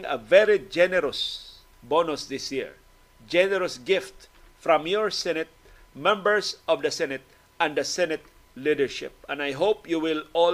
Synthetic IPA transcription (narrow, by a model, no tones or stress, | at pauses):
ŋɐ̰vɛɾid͡ʒɛnɛɾʊs | bonʊsd̪ɪsjiɹ | d͡ʒɛnɛɾɔsɡɪft̪ | fɹɔ̃mjɔɹsɛnɛt̪̚ | mɛ̃mbəɹsɔvd̪ɐsɛnɛt̪̚ | ɛ̃nd̪əsɛnɛt̪̚ | lid̪əɹʃɪ̰p̚ɛ̃najɦopjuwɪlɔ